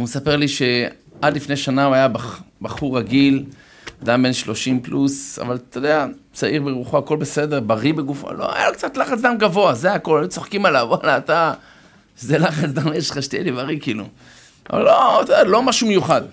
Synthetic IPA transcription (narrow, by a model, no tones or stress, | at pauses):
umesapeʁliʃe̞ | ʔad̪lifne̞jʃanauajabaχbaχuʁaɡil | d̪ambe̞nʃlo̞ʃimplusa̰valt̪od̪eat͡saʔiʁbeʁuχoako̞lbese̞deʁbaʁibeɡufo̰lo̰a̰ja̰lokt͡sat̪laχat͡sd̪amɡavo̞azeako̞lajut͡so̞χkimalavwalaːt̪a | zelaχat͡sd̪amjeʃχaʃt̪ialibaʁikiːlṵ | a̰va̰lːot̪od̪ealo̞maʃumejuχad̪